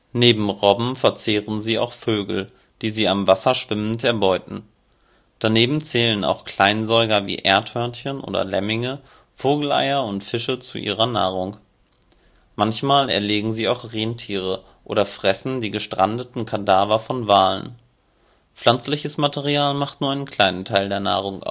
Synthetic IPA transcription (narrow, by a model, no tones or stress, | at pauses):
neːbm̩ʁɔbm̩fɛɐt͡seːʁənziːa̰ʊxføːɡl̩ | d̥iːziːamvasɐʃv̥ɪmən̩tɛɐbɔʏtn̩ | d̥aneːbm̩t͡sɛːləna̰ʊxkl̥aɪnzɔʏɡɐvḭːʔeɐthœɐnçənʔo̰ːdɐ̰lɛmɪŋə | foːɡl̩ʔa̰ɪɐʊntfɪʃət͡sṵʔḭːʁɐna̰ːʁʊŋ | mançmaːlɛ̰ɐleːɡŋ̩ziːaʊxʁeːntʰiːʁ̞ə | ʔo̰ːɾɐfʁ̥ɛsn̩diːɡəʃtʁ̥a̰ndətn̩kʰadaːvɐfɔnvaːlə̰n | p͡flant͡slɪçəsmatɛʁiaːlmaχtnuːɐaɪnənkʰl̥aɪnəntʰaɪldeːɐna̰ːʁ̞ʊŋʔa̰ʊ